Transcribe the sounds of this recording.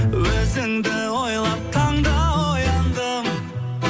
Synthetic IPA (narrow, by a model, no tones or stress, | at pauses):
wɵzɪŋd̪ɪwojlˠɑp̚t̪ʰɑɴd̪ɑojɑnd̪əm